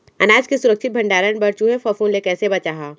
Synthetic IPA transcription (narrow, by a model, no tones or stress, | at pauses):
ɐnaːd͡ʒkesʊɾəkʃʰɪt̪̚bʱɐ̃ɳɖaːɾənbɐɾt͡ʃuɦefɔfuːnlekɛːsebɐt͡ʃaːɦaː